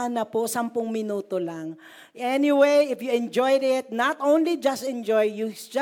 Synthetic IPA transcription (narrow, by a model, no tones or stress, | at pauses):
nɐposɐmpʊŋmɪnuːt̪olaŋ | ʔɛniwejɪfjuɛ̃nd͡ʒojd̪ɪt̪̚nat̪ʔõwnlid͡ʒɐst̪ɛ̃nd͡ʒojjud͡ʒ